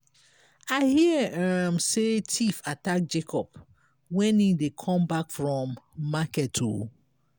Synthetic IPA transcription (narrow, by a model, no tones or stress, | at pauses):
aɪhiamsetʰifatak̚d͡ʒekʰɔp | wɛ̃nidekʰɔ̃mbakfɹɔ̃mːakɛtʰṵ